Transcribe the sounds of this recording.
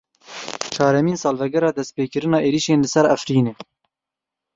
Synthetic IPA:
t͡ʃʰɑːɾɛmiːnsɑːlvɛɡɛɾɑːd̪ɛst̪̚peːkɨɾɨnɑːeːɾiʃeːnlɨsɛɾæfɾiːneː

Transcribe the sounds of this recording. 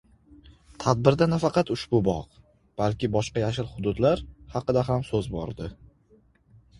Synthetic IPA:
t̪ʰad̪̚bɪɾd̪anafɑqɑt̪ʊʃbʊbɒ̰q | b̥alkʲɪbɒʃqɑjaʃɪɾχʊd̪ʊd̪laɾhɑqɨd̪aɦamsɵzbɒ̰ɾd̪ɪ

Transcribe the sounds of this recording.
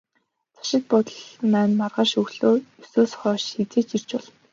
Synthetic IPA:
t͡sʰḁʃɪ̆t̪̚pɔt̪ə̆ɮnæːnmarʁaːʃɵxɮoːɵsuːsχɔːʃxet͡seːt͡ɕir̥t͡ɕpɔɮ̆n

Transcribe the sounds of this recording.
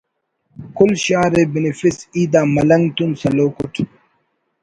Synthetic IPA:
kulɕaːɾebinifisiːd̪aːmɐlɐŋt̪unsɐloːkuʈʰ

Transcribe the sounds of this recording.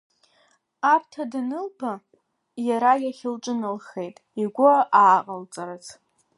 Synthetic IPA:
apʰtʰadnɨlbʰa | jaɾajaχʲɪlʈ͡ʂʼɨnɨlχe̞jtʼiɡʷʊʔaːqʼalt͡sʼaɾazʰ

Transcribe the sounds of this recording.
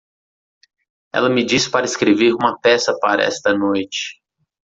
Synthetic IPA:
ɛ̰lɐmɪd͡ʒisɪ̥paɾɐɪskɾeveɾũmɐpɛsɐpaɾɐ̰ɛ̰st̪ɐnojt͡ʃɪ̥

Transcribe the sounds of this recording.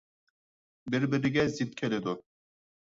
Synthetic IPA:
biɾbiɾiɡʲɛzit̪̚kʲʰelɪd̪ʊ

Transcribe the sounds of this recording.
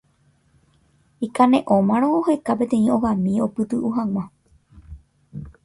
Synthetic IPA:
ikanẽ̞ʔõ̞mãɾ̃õohe̞kap̬e̞t̪ẽ̞ĩõ̞ɣãmĩo̞pɨt̪ɨʔuɦãŋ̃ʷã

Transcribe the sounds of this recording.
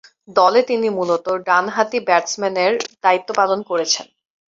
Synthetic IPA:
d̪ɔlet̪inimulot̪oɖanɦat̪ibɛʈsmɛneɾd̪̥ait̪ːopalonkoɾet͡ɕʰen

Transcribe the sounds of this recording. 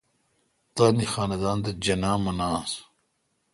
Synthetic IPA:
t̪aːnixaːnɐd̪aːnd̪ɐd͡ʑɐnaːmɐnaːs

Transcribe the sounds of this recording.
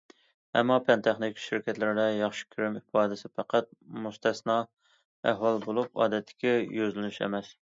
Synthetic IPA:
ɛ̰mːɑpʰɛnt̪ʰæχnɪkʲʃiɾkʲɛt̪lɪɾɪd̪ɛjɑχʃi̥kʲʰyɾymifɑːd̪ɪsɪpʰæqæt̪̚must̪ʰɛsnɑ | æɦwɑlˠbolˠupɑ̰ːd̪ɛt̪ʰːɪ̥kʲɛjøzlɪnyʃɛ̰mɛs

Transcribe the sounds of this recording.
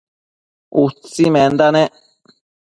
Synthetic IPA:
ut͡simɛ̃nd̪anɛ

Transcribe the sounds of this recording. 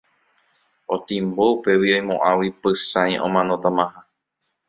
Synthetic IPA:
ot̪ĩmboupe̞wioj̃mõ̰ʔãwipɨsãj̃ʔõ̰mãnõt̪amãhã

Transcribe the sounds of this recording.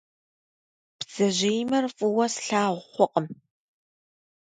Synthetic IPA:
pz̥ɐʑejmɐrfʼɨwɐsɬaːʁʷχʷɔqʼəm

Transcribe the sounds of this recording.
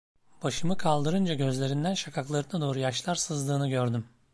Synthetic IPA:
b̥aʃɯmɯkʰalˠd̪ɯɾɯnd͡ʒaɟø̞zlʲe̞ɾind̪ænʃakʰaklˠaɾɯnad̪o̞ːɾujaʃlˠaɾsɯzd̪ɯːnɯɡɟøɾd̪ym

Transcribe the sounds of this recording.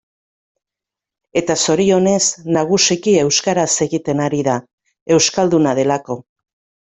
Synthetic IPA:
e̞t̪aso̞ɾio̞ne̞snaɣ̞usikie̞wskaɾase̞ɣit̪e̞naɾiða | e̞wskald̪unað̞e̞lako̞

